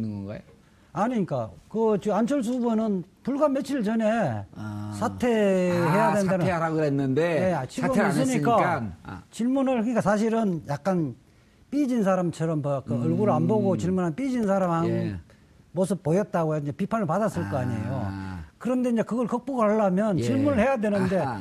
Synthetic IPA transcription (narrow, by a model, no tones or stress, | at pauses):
nɡʌŋɡa̰ | aɲiɲik͈akɯt͡ɕiant͡ɕʰʌɭs̬ʰubʌnɯnpuɭɡamet͡ɕʰiɯɭt͡ɕʌne̞ | sʰatʰe̞ɦejadendanɾaenːɯndejet͡ɕʰiɡʌmisɯɲik͈aat͡ɕiɭmunɯɭkɯɲikas̬ʰaɕ̬ʰiɾɯnjak̚k͈an | p͈id͡ʑins̬ʰaɾamt͡ɕʰʌɾʌmpʌk͈ɯʌɭɡuɾɯɭanboɡot͡ɕiɭmunɦanp͈id͡ʑinsʰaɾamhaɡo | mos̬ʰɯp̚pojʌt̚t͈aɡojoind͡ʑepipʰanɯɭpadas͈ɯɭk͈ʌaɲḛjo̰kɯɾʌnde̞ind͡ʑe̞kɯɡʌɭkʌk̚p͈oɡaaɭːamjʌnt͡ɕiɭmunɯɭhe̞jadwe̞nɯnde̞